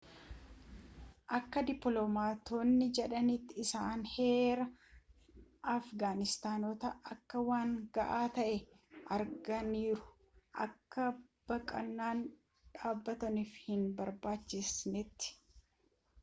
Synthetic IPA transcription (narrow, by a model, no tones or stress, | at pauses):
ʔɐkːɐd̪ɪpːlɔmaːt̪oːnːɪd͡ʒɛᶑɐnɪt̪ːɪɪsaːnhe̞ːɾɐ | ɐfɡaːnɪst̪aːnot̪ɐɐkːɐwaːŋɡɐʔaːt̪ɐʔɛ | ɐɾɡɐniːɾʊ̥ | ʔɐ̰kːɐb̥ɐkʼɐnːaːn | ᶑaːbːɐt̪ɐniːfhɪnbɐɾbaːt͡ʃːɪsnɪt̪ːɪ̥